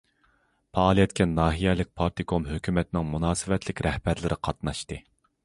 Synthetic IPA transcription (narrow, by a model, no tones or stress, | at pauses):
pʰɑːlˠijɛt̪kʲʰɛnɑːɦijɛlɪk̚ʲpʰɑɾt̪ʰɨkʰomɦøkʲymɛt̪nɪŋmunɑːsɨvɛt̪ʰlɪkʲɾɛhbæɾlɪɾʔɪqʰɑt̪nɑʃt̪ɨ